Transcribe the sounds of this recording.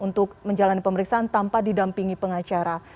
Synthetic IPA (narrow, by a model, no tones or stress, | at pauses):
unt̪ʊk̚məɲd͡ʒalanipəməɾiksaʔant̪ampadidampiŋipəŋat͡ʃaɾa